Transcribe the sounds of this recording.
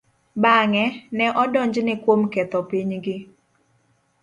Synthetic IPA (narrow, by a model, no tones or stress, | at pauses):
baŋɛnɛʔɔdɔɲd͡ʒnɪkwomkɛt̪ɔpiɲɡɪ